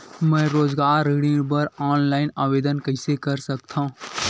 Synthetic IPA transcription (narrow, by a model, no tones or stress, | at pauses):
mɛ̃ːɾoːzɡaːɾːeːɽɪ̃bɐɾaːnlaːɪnaːʋeːd̪ənkɐɪsekɐɾsɐk̚t̪ʰã